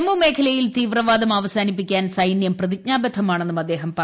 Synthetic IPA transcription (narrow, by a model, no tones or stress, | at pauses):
mume̞ːkʰɐlɐjilt̪iːʋrɐʋaːd̪ɐmaːʋɐsaːnipːikʲːaːnsɐjnjɐmprɐðik̚ɲaːbɐt̪ʰːɐmaːɳenːumɐd̪ːe̞ːɦɐmpɐ